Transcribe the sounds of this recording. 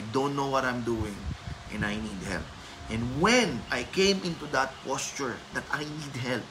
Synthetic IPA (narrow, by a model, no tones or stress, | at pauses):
jd̪õnt̪nowɔt̪ãjmd̪uɪ̃ŋʔɛ̃najnid̪̚hɛ̰lp̚ | ʔɛ̃nwɛ̃nʔajkẽj̃mʔɪ̃nt̪ud̪ɐt̪̚pɔst͡ʃʊɹd̪ɐt̪ʰajnid̪̚ɦɛlp̚